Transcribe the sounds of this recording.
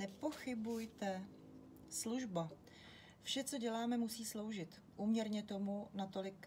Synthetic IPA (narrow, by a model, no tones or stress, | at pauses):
nɛpo̞xɪbujt̪ɛ | sluʒba | fʃɛt͡so̞ɟɛlaːmɛmusiːslo̞wʒɪt̪ | ʔuːmɲɛɾɲɛt̪o̞munat̪o̞lɪk